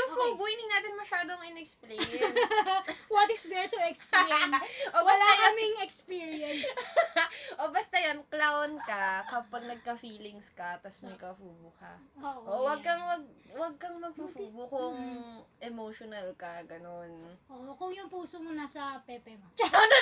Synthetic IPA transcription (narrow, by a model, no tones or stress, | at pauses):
ʊŋfubunɪŋnaːt̪ɪnmɐʃaːd̪oŋɪnɛksple | wɐt̪ɪsd̪ɛɹt̪ʊɛksplenʔowɐslaamɪŋɛkspiɹiɐns | ʔobɐst̪ɐjɐnklawnkɐkɐpɐɡ̚nɐɡ̚kɐfiːlɪŋskɐt̪ɐsnɐɡ̚kɐfuːbʊkɐ̰oʔowɐɡ̚kɐŋmɐɡ̚wɐɡ̚kɐŋmɐɡ̚fufuːbʊkʊŋʔɛmoʃonɐlkɐɡɐnonʔoʔkʊŋjʊŋpuːsomonasɐpɛpɛmt͡ʃona